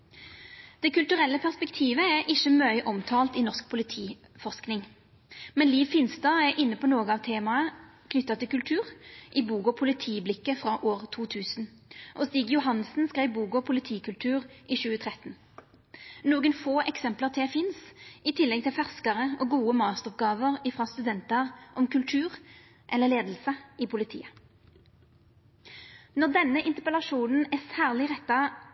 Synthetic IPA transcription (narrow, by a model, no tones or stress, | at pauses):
d̪̥ɛkʉlt̪ʉʁɛlːəpʰæʁspɛkt̪ʰiːʋəæʔɪʃəmœʏʔɔmt̪ʰɑːlt̪ɪnɔʁsk̚pʰʊlɪt̪ʰiː | fɔʁsknɪŋ | mɛnliːʋfɪnsd̪ɑːæɾʔɪnːəpʰɔnoːɡəɑːʋt̪ʰeːmɑəkʰnʏt̪ːɑt̪ɪlkʉlt̪ʰʉːʁʔɪbuːɡɔpʰʊlɪt̪ʰiːblɪkːəfʁɑːʔoːʁt̪ʰuːt̪ʰʉːsn | ʔɔst̪iːɡjʊɦɑnsn̩skʁæɪʋbuːkɔpʰʊlɪt̪ʰiːkʉlt̪ʰʉːʁʔɪʃʉːət̪ʰʁɛt̪n̩ | nuːɡənfoːʔɛksɛmpləʁt̪ʰɪfɪnsʔɪt̪ʰɪlːɛɡ̚t̪ʰɪlfæʁskəʁəʔɔːɡuːəmɑːst̪əʁɔp̚ɡɑːʋəʁɪfʁɑst̪ʉd̪ɛnt̪əʁʔɔmkʉlt̪ʰʉːʁ | ʔɛlːəʁleːd̪l̩səɪpʰʊlɪt̪ʰḭːə | nɔʁd̪ɛnːəʔɪnt̪əʁpəlɑʃuːnn̩æsæːʁlɪʁɛt̪ːɑ